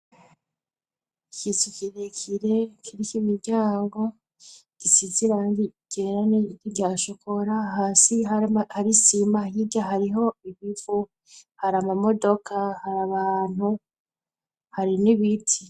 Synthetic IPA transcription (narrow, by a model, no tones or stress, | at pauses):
icitukiɾekʰiɾekiɾicimiɾɟaːŋɡo̞ | ɡ̥isiziɾandiɟ̥eɾaniiɟaʃokʰoɾaɦaːsiahaɾisimahiɟaɦaɾiɦo̞iβiv̥u | haɾamamo̞do̞kʰahaɾaβaːn̥hu | haɾiniβitʰi